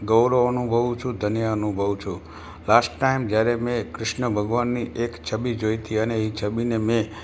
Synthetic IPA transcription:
ɡəwɾoənubʱəʋũt͡ʃʰũd̪ʱənijaənubʱəʋt͡ʃʰũ | lasʈːaimd͡ʒjaɾemẽkɾɪʃnəbʱəɡʋanːiʔekt͡ʃʰəbid͡ʒojt̪ʰiəneɦit͡ʃʰəbinemẽ

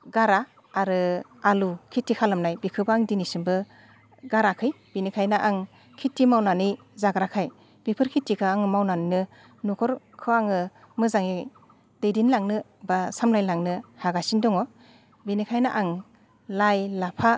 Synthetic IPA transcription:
ɡaɾaː | ɾɯ | alukʰitːikʰalɯmnajbikʰɯbaaŋdinisɯmbɯ | ɡaɾakʰɯj | b̥inikʰajnaʔaŋ | kʰitːimawnani | zaɡɾakʰaj | bipʰɯɾkʰitːikʰaːŋmawnaninɯ | nukʰɔɾ | kʰɯaŋɯ | mɯzaŋi | d̥ejdinlaŋnɯ | basamlajlaŋnɯhaɡasindɔŋɔ | binikʰajnaʔaŋ | lajlapʰa

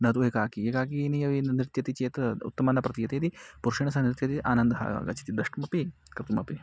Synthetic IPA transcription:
nɐt̪ueːkaːkiekaːkiːniɐʋinɾɪt̪jɐt̪it͡ʃeːt̪ṵt̪ːɐmɐnɐpɾɐt̪ijɐt̪eːt̪ipuɾʂiɳɐsɐnɾɪt̪jɐt̪iʔa̰ːnɐnd̪ɐɦa̰ɡɐ̰t͡ʃʰi̥t̪id̪ɐʂʈmɐpikɾɪt̪umɐpi

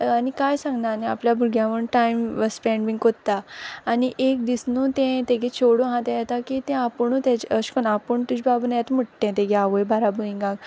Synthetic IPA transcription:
anikajsãŋɡnaːniapljabʱuɡjãʋəɳʈajmʋəspɛɳmĩŋɡkot̪aːniʔek̚d̪isnũt̪ɛ̃t̪ẽɡẽt͡ɕʰoɽõɦãt̪jajɛt̪akit̪ɛ̃apəɳut̪at͡ɕəɕkənapəɳt̪ud͡ʑibabənajat̪m̤əʈt̪ɛ̃t̪ẽɡaʋəjbʱaɾabʱuĩŋɡãɡ

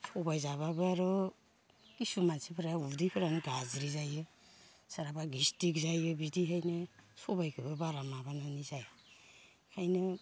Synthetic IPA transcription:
sɔbajzaβabɯaɾɔ | kisumansipʰɯɾaudipʰɯɾanɯɡazɾizajɯ | saɾabaɡistikzajɯbidiɦajnɯsɔbajkʰɯbɯbaɾamabanɔnizaj | kʰajnɯ

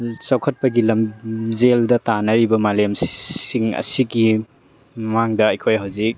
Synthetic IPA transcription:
sawkʰɐt̚pɐɡilɐmzeldɐtanɐɾibɐmalemssiŋɐ̰siɡi | maŋdɐːjkʰojɦawzik̚

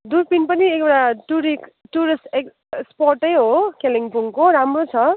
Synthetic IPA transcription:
d̪urpinpʌniekeʈaʈuɾikʈuɾisʈek | sporʈʌjɦokeliŋpuŋkoɾamrot͡sʰʌ

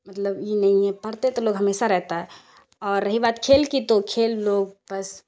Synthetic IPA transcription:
mət̪ləbjenɐɦĩɛpɐɾt̪et̪oloːɡɦəmeːsaɾɛɦt̪aɦɛ | ɔːɾːɐɦibaːt̪kʰeːlkit̪okʰeːlːoːɡ̚bɐs

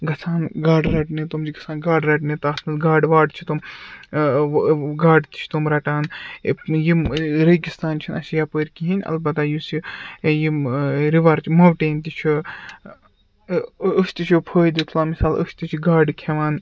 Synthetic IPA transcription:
ɡɐsʰaːnɡaːɖɾɐʈnit̪umd͡ʒiɡɐsʰaːnɡaːɖɾɐʈnit̪aːt̪ʰnɐsɡaːɖʋaːɖt͡ʃʰit̪um | ɡaːɖt̪i̥t͡ʃʰt̪umɾɐʈaːn | jiɾɐɡist̪aːnt͡ʃʰinɐʃjaːpəɾkiɦinʲɐ̰lbɐt̪ajusijiɾiʋɐɾt͡ʃʰmɐwʈeːnt̪ʲit͡ʃʰu | əʃt̪it͡ʃʰjupʰoːjd̪it̪ʰlaːmisaːlʔə̰ʃʰt̪it͡ʃʰiɡaːɖkʰeʋaːn

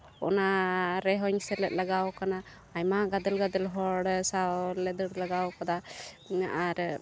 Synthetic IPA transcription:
ɔ̰naɾɛɦɔɲsɛɾlɛt̪̚laɡawkanaː | jmaɡad̪ɛlɡad̪ɛlɦɔɽsalɛd̪əɽlaɡawkad̪a | aɾ

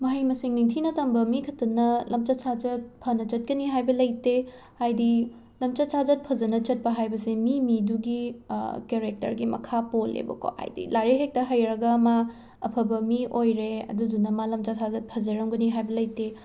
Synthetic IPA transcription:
mɐɦɐjmɐsiŋniŋtʰinɐtɐmbɐmikʰɐtːɐnːɐlɐmt͡ʃasad͡ʒɐt̚pʰɐnɐt͡ʃɐt̚kɐniɦajbɐlɐjte | hajdi | lɐmt͡ʃasazd͡ʒɐt̚pʰɐzɐnɐt͡ʃɐt̚pɐɦajbɐsemimiduɡikeɾek̚tɐ̰ɾɡimɐ̰kʰapolḛbɐ̰ko̰ha̰jdḭlaɾeɦek̚tɐɦɐjɾɐɡɐma | ɐpʰɐbɐmiʔojɾeɐ̰dudunɐmalɐmt͡ʃasʰazɐt̚pʰɐzɐɾɐmɡɐniɦajbɐlɐjte

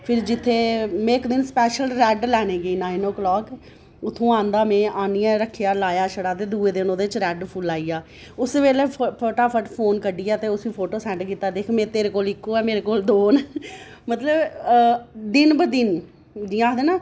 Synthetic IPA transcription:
pʰɪɾd͡ʒɪt̪ʰːeːmɛ̃ːɪkd̪ɪnspɛːʃəlɾɛːɖlɛːneːɡeiːnaːinoːkəlɔːk | ʊt̪ʰːõːãːnd̪aːmɛ̃ːʔaːniaːɾəkʰːijaːlaːjaːʃʰəɽaːt̪eːd̪uːeːd̪ɪnoːd̪eːt͡ʃɾɛːɖpʰʊlaːiːjaː | ʊsʋeːleːpʰoːʈaːpʰəʈpʰoːnkəɖiːɛːt̪eːʊsʋĩːpʰoːʈoːsɛ̃ːɳʈkiːt̪aːd̪eːkʰmẽːt̪eːɾeːkoːlɪkːoːɛːmeːɾeːkoːld̪oːnmət̪ləb | d̪ɪnbəd̪ɪn | d͡ʒiːãːd̪eːnaː

